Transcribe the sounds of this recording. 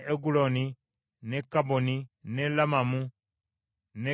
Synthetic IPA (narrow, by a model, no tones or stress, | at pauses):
ʔeɡuloni | nekaboninelamamu | ne